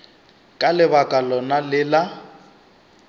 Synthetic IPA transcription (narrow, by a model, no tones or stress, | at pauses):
kʼalɪbakʼalɔnalɪla